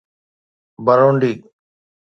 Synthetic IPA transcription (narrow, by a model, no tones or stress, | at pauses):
bəɾoːɳɖiː